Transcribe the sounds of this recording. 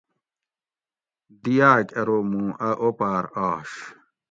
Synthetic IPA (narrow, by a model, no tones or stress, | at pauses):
d̪ijaːkʲɐɾoːmũːʔɐʔopaːɾaːɕ